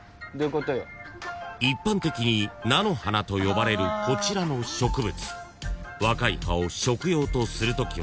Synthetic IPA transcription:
d̪okot̪ojo | ipːãnt̪e̞kʲiɲ̟inano̞hanat̪o̞jo̞baɾe̞ɾɯ̟kʰo̞t͡ɕiɾano̞ɕo̞kɯ̟bɯ̟t͡sɨ̥ | βakaḭhao̞ɕo̞kɯ̟jo̞ːt̪o̞sɨɾɯ̟t̪o̞kʲi

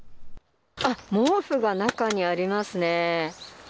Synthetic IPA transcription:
amoːɸɯ̟ɡanakaɲ̟iaɾʲimasɨne̞

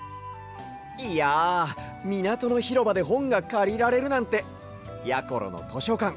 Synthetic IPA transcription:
ia | mʲinat̪o̞no̞çiɾo̞bad̪e̞ɦõ̞ŋɡakaɾʲiɾaɾe̞ɾɯ̟nãnt̪e̞ | jako̞ɾo̰no̰t̪ʰo̞ɕo̞kãŋ

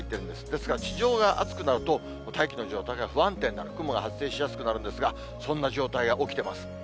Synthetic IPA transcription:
it̪ːe̞ɾɯ̟̃nd̪esɨ̥d̪e̞sɨ̥kaɾat͡ɕiʑo̞ːɡaʔa̰t͡sɨ̥kɯ̟naɾɯ̟t̪o̞ | t̪aikʲino̞ʑo̞ːt̪aiɡaɸɯ̟βãnt̪ẽ̞nːaɾ̥kɯ̟moɡahat͡sɨ̥se̞ːɕijasɨ̥kɯ̟naɾɯ̟nd̪e̞sɨɡa | sõ̞nːaʑo̞ːt̪aiɡaʔo̞kʲi̥t̪e̞masɨ̥

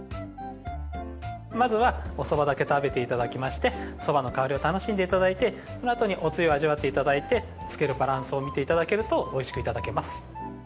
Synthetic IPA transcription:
mazɨβaoso̞bad̪ake̞t̪abe̞t̪e̞it̪ad̪akʲimaɕi̥t̪e̞so̞bano̞kaoɾʲio̞t̪ano̞ɕĩnd̪eit̪ad̪ait̪e̞ | sonoat̪o̞ɲ̟iʔo̞t͡sɨio̞aʑiβat̪ːe̞it̪ad̪ait̪e̞ | t͡sɨ̥ke̞ɾɯ̟baɾãɰ̃sɨo̞mʲit̪e̞it̪ad̪ake̞ɾɯ̟t̪o̞oiɕi̥kɯ̟it̪ad̪ake̞masɨ̥

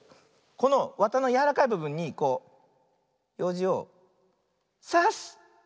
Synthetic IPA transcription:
ko̞no̞βat̪ano̞jaɾakaibɯ̟bɯ̟̃ɲ̟ːiko̞ː | jo̞ːʑio̞ | sas

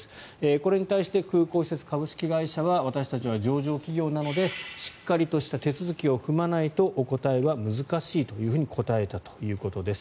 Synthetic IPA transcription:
sɨ̥ | eːko̞ɾe̞ɲ̟it̪aiɕi̥t̪e̞kɯ̟ːko̞ːɕset͡sɨ̥kabɯ̟ɕi̥kʲiɡaiɕaβaβat̪aɕi̥t̪at͡ɕiβ̞ad͡ʑo̞ːʑo̞ːkʲiɡʲo̞ːnano̞d̪e̞ɕi̥kːaɾʲit̪o̞ɕi̥t̪at̪e̞t͡sɨzɨkʲio̞ɸɯ̟manait̪o̞ʔoko̞t̪aeβamɯ̟zɨkaɕiːt̪o̞jɯ̟ːɸɯ̟ɲ̟ikʰo̞t̪ae̞t̪at̪o̞̥jɯ̟ːko̞t̪o̞d̪e̞sɨ̥

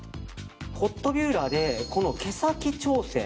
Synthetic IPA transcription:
ho̞t̪ːo̞bʲjɯːɾaːd̪e̞ko̞no̞ke̞sakʲit͡ɕo̞ːsḛ̃

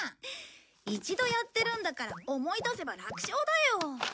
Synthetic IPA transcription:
it͡ɕid̪o̞jat̪ːe̞ɾɯ̟̃nd̪akaɾaomo̞id̪ase̞baɾakɯ̟̥ɕo̞ːd̪ajo̞

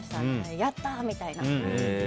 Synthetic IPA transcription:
saejat̪ːamit̪aina

